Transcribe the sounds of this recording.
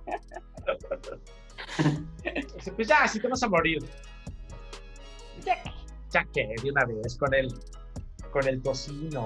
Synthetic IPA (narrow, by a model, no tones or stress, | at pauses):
osepwezʝasit̪eβas̬amoɾiɾ | d͡ʒake̥ | d͡ʒakeðjiunaβes̬ko̞nel | ko̞ne̞lt̪o̞sino